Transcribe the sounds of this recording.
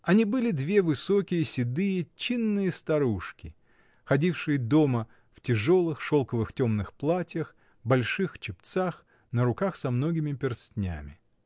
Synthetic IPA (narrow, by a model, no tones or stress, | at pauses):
ɐnʲibɨlʲɪd̪vʲe̞vɨso̞kʲɪjəsʲɪd̪ɨjət͡ɕinːɨjəst̪ɐɾuʂkʲɪ | xɐdʲifʂɨjəd̪o̞mə | ftʲɪʐo̞lˠɨxʂo̞lˠkəvɨxtʲomnɨxplˠatʲjəx | bɐlʲʂɨxt͡ɕɪpt̪sax | nəɾʊkaxsɐmno̞ɡʲɪmʲɪpʲɪrstʲnʲa̰mʲɪ